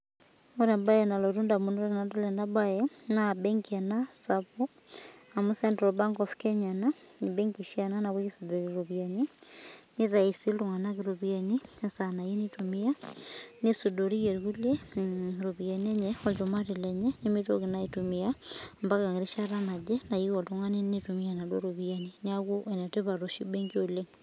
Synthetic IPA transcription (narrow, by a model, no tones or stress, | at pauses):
ɔɾɛambajɛnalɔɾundamunɔɾɛnandɔlɛndabajɛnabɛŋkianasapu | amusɛntɾɔbaŋɡɔfkɛɲana | nibɛŋkiʃiananaβukisudɔɾiɾɔβianiniɾaisiluŋanakiɾɔβianiɲasanajinitumianesudɔɾijɛɾɣuleɾoβianɛɲɛɔd͡ʒɔmaɾilɛɲɛnemito̰ɣinaitumiambakaŋiɾiʃaɾanad͡ʒɛnaiɔloŋanenitumianadɔɾoβianinaɣuʔɛnɛteβaɾoʃibɛŋɡiole